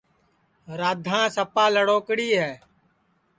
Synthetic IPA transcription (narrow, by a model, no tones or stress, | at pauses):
ɾaːd̪ʱãːsəpaːləɽoːkɽiːɦɛː